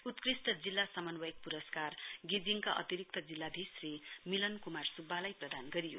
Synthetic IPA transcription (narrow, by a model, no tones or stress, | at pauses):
ut̪krist̪ʌd͡zilːasʌmʌnwʌjk̚puɾʌskarɡid͡ziŋkaʔʌ̰t̪iɾik̚t̪ʌd͡zilːad̪ʱisrimilʌnkumarsubʱːalajprʌd̪ʱanɡʌɾijo̰